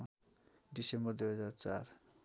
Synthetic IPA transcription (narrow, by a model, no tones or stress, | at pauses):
ɖisembʌrd̪ujɦʌd͡zart͡sar